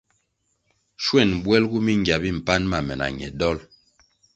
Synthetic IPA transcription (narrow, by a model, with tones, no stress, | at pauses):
ʃwɛ˦˨nbwɛ˦lɡu˦mi˦ŋɡa˨bi˦˨m̩˨pa˦nma˨mɛ˨na̰˨ɲɛ̰˨dɔ˦l